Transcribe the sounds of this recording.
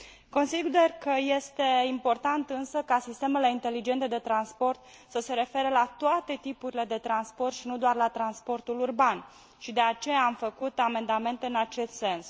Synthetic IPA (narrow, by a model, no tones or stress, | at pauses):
ko̞nsid̪e̞rkəje̞st̪e̞impo̞rt̪ant̪ɨnsəkasist̪e̞me̞le̞int̪e̞lid͡ʒe̞nt̪e̞d̪e̞t̪ɾanspo̞rt̪ | səse̞ɾe̞fe̞ɾəlat̪oat̪e̞t̪ipuɾile̞d̪e̞t̪ɾanspo̞rt̪ʃinud̪oarlat̪ɾanspo̞rt̪ulurban | ʃid̪e̞at͡ʃe̞jaːmfəkut̪ame̞nd̪ame̞nt̪e̞ɨnat͡ʃe̞st̪se̞ns